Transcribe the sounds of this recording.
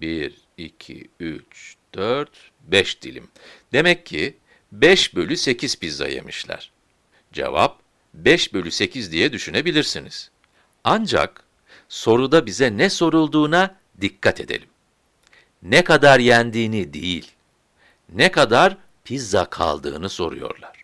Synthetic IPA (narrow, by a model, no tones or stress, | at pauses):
biɾ | icʰḭyt͡ʃd̪̥øɾt̪ | bɛʃd̪̥ilʲḭmd̪e̞mɛcʰːi | bɛʃbø̞lʲyse̞cʰiz̥pizːa̰jḛmiʃlʲæ̰ɾ̥ | d͡ʒe̞̰va̰p̚ | bɛʃbø̞lʲyse̞cʰizd̪ijɛd̪yʃyne̞bilʲiɾsiniz̥ | and͡ʒa̰k | so̞ɾud̪abizɛnɛso̞ɾulˠd̪uːna | d̪ikʰːat̪ʰe̞d̪elʲim | nɛkad̪aɾjænd̪iːnid̪ḭjḭlʲ | nɛkad̪aɾ | pʰizakʰa̰lˠd̪ɯ̰ːnɯso̞̰ɾṵjo̞̰ɾlˠaɾ̥